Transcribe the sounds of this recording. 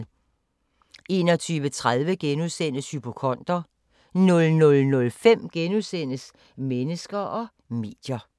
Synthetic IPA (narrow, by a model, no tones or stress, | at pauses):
e̝̰ːnɒ̽t͡sʰyːʋət͡sʰʁaðˠʋəɡ̥enuðˠsen̰əshypʰo̝kʰɒ̽n̰d̥ɐ | nɔ̽lnɔ̽lnɔ̽lfem̰ɡ̥enuðˠsen̰əs | menəsɡ̥ɐʔɒ̽ | me̝̰ːd̥jɐ